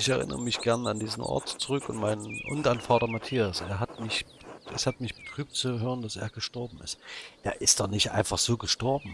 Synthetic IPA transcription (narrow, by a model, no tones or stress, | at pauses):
ɪçɛɐʁɪ̰nə̰ʁəmɪçɡ̥ɛɐnəandiːzn̩ʔɔ̰ɐtt͡suʁʏkʊntmaɪnənʔʊ̰ndanfaːtɐmatʰiːasʔeːɐɦatmɪçʔɛshatmɪçb̥ə̥tʁ̥yːp̚tt͡suɦøːʁəndasʔḛːɐɡəʃtɔɐbm̩ɪstʔeːɐʔɪstd̥ɔχnɪçtʔa̰ɪnfaχz̥oːɡəʃtɔɐbm̩